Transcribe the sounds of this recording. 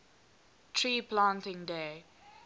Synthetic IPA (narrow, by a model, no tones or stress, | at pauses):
tʰɹiːpʰlãːntɪ̃ŋdeː